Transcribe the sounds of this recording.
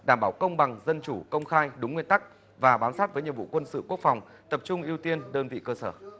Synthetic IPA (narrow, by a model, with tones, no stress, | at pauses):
ɗaː˧˩mɓaː˧˩wkə˧wŋ͡mɓa˨˩ŋzə˧nt͡ɕu˧˩kə˧wŋ͡mxaː˧jɗʊ˨˦ŋ͡mŋwi˧ənt̪a˦˥k̚ | vaː˨˩ɓaː˨˦msaː˦˥t̚vəː˨˦jɲḭ˨˩vṵ˧˨kwə˧nsɨ̰˧˨ku˦˥ək̚fa˨˩wŋ͡m | t̪ə˨˩p̚t͡ɕʊ˧ŋ͡mʔi˧əwt̪i˧ənɗəː˧nvḭ˧˨kəː˧səː˧˩